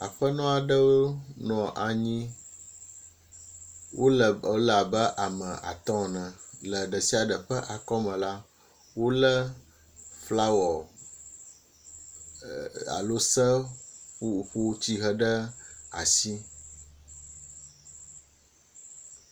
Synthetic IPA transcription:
a˨ɸə˦nɔ̃˦a˨ɖə˦wo˦nɔ̃˨ʔa˨ɲĩ˦ | wʔo˦lə˨o˦la˨bə˦ʔa˨mə̃˨ʔa̰˨t̪ɔ̃˦˨nɛ̃˨lə˨ɖə˨si˦a˨ɖə˨ɸə˦ʔa˨kɔ˦mə̃˨la˦ | wo˦lə˦ | fla˦wɔ˨ | a̰˨lo˦sə˦ | ɸu˦t͡ɕi˦ɦə˦ɖə˦a˨si˦

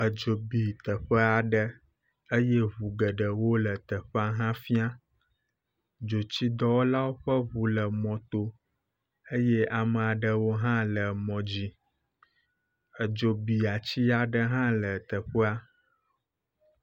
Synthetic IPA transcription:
ə˨d͡ʒo˨bi˨t̪ə˨ɸə˦a˨ɖə˦ | ə˦je˦βu˨ɡə˨ɖə˨wo˦lə˨t̪ə˨ɸə˦a˦ɦã˦fi˦a˦ | d͡ʒo˨t͡ɕi˦d̪ɔ˦wo˦la˦wo˦ɸə˦βu˨lə˨mɔ̃˨t̪o˦ | ə˦je˦a˨mə˨a˨ɖə˨wo˦ɦã˦lə˨mɔ̃˨d͡ʑi˦ | ə˨d͡ʒo˨bi˨a˨t͡ɕi˦a˨ɖə˦ɦã˦lə˨t̪ə˨ɸə˦a˦

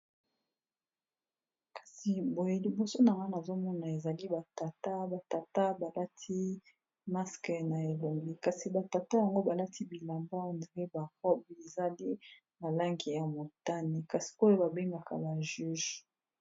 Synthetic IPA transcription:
kḁ˨si˨bo˨je˦li˦bi˦so˦na˨ŋɡa˦na˨zo˦mɔ˦na˨e˨za˨li˦ba˨ta˨ta˦ba˨ta˨ta˦ba˨la˦tʰi˦ | ma˦skɛ˨na˨e˨lo˨mbi˦ka˨si˨ba˨ta˨ta˦ja˨ŋɡo˦ba˨la˦ti˦bi˨la˨mba˦nde˨ɡe˦ba˨kɔ˦be˨za˦li˦ | na˨la˦ŋɡi˨ja˨mo˨ta˦ni˨ka˨si̥˨o˦jo˦ba˨be˦ŋɡa˨ka̰˨ba˨ʒy˦ʒ

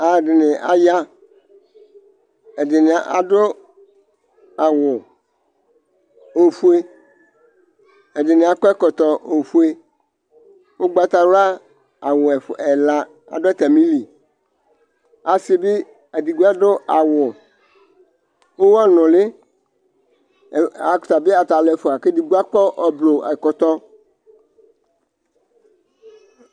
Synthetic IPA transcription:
a˨dɪ˨nɪ˨ʔa̰˨ja˦ | e˨dɪ˨nɪ˨a˨ʔa̰˨ɖo˦ | a˨wʊ˨ | o˨fu˦e˦ | e˨dɪ˨nɪ˨a˨kɔ˦ɛ˦kɔ˨t̪ɔ˨ʔo˨fu˦e˦ | wo˦ɡ͡ba˦t̪a˨wʊ˦a˦ | a˨wʊ˨ɛ˨fɛ˨la˦ | a̰˨ɖʊ˦ɛ˦t̪a˨mĩ˦li˨ | a˨si˦be˦ | a˨di˨ɡu˦a˦ɖʊ˦a˨wʊ˨ | wo˦wɔ˦nʊ̃˨le˦˨ | a˨kt̪a˨be˦a˨t̪a˨lɛ˨fʊ˨a˨ke˦di˨ɡu˦a˦k͡pɔ˦ʔɔ˨blo˨a̰˨kɔ˨t̪ɔ˦

